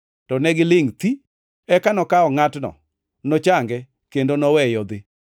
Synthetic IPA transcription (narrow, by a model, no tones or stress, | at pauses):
tɔnɛɡɪlɪŋt̪i | ɛkanɔkaɔŋatnɔ̰ | nɔt͡ʃaŋɡɛ | kendonɔwɛjɔd̪ɪ